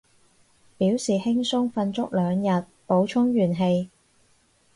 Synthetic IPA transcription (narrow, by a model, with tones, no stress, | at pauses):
piː˨˥wsiː˨hɪ˥ŋsʊ˥ŋfɐ˧nt͡sʊ˥k̚lœː˨˧ŋjɐ˨t̚po˨˥wt͡ʃʰʊ˥ŋjyː˨˩nɦe˧j